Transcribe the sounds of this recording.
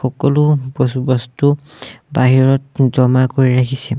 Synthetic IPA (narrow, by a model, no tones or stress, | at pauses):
xɔkɔlʊbɔsubɔstubaɦiɹɔt̚d͡ʒɔmakoɹiɹakʰisɛ